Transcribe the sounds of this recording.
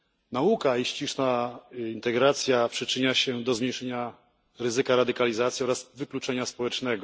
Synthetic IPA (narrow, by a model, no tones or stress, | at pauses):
naukaiɕt͡ɕiʂnaint̪ɛɡɾat̪sʲjapʂɘt͡ʂɘɲaɕɛd̪ɔzmɲejʂɛɲa | ɾɘzɘkaɾad̪ɘkalʲizat̪sʲiɔɾazvɘklut͡ʂɛɲaspɔwɛt͡ʂnɛɡɔ